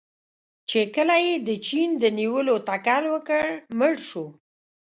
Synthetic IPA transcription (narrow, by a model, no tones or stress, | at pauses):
t͡ʃekəlajed̪ət͡ʃind̪əniwəlot̪akalwəkəɽməɽʃu